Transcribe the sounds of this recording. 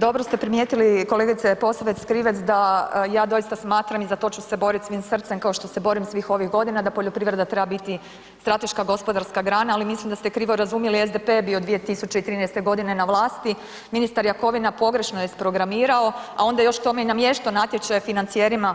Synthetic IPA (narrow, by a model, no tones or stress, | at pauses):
d̪o̞bɾost̪e̞pɾimjet̪iliko̞le̞ɡit̪sepo̞saʋet̪skɾiːʋet̪sd̪ajaːd̪o̞jist̪asmaːt̪ɾamizat̪o̞t͡ɕuse̞bo̞ɾit̪sʋiːmsrt̪semkao̞ʃt̪o̞se̞bo̞ɾimsʋixo̞ʋiɣɡo̞d̪inad̪apo̞ʎo̞pɾiːʋɾe̞d̪at̪ɾe̞babit̪i | st̪ɾat̪e̞ʃkaɡo̞spo̞d̪aɾskaɡɾaːnaalimislimd̪ast̪e̞kɾiːʋoɾazumjeliezd̪epe̞ːbiod̪ʋije̞t̪isut͡ʃe̞it̪ɾiːnɛjst̪e̞ɡo̞d̪ine̞naʋlˠaːst̪i | minist̪aɾjako̞ʋinapo̞ɡɾe̞ʃnojespɾo̞ɡɾamiːɾao̞ao̞nd̪ajo̞ʃt̪o̞meinamjeʃt̪onat̪ʲjet͡ʃajfinant̪sijeɾima